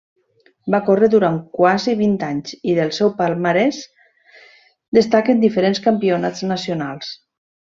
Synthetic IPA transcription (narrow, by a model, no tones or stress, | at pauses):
bakoreðuɾaŋkwaziβ̞int̪aɲziðəlˠsɛwpalˠmaɾɛs | d̪əst̪akəend̪ifeɾenskampionaznasionalˠs